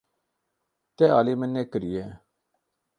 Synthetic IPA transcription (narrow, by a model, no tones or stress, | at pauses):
t̪eːaːliːmenːeːkəɾijeː